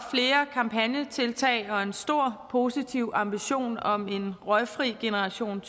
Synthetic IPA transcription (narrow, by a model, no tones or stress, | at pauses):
fle̝ːɐkʰɑ̈mpʰænjət͡sʰe̝lt͡sʰɛ̰ɪɒ̽e̝nsd̥o̝ɐ̰pʰo̝ːsit͡sʰiʊɑ̈mb̥iɕo̝̰ːnɒ̽me̝nʁɒɪfʁiɡ̥enəʁɑ̈ɕo̝̰ːn